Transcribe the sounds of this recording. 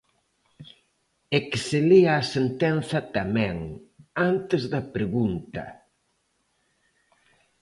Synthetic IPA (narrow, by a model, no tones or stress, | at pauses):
ekseliaːsent̪ɛnθɐt̪amɛ̃ŋant̪ɪzðɐpɾeɣunt̪ɐ̰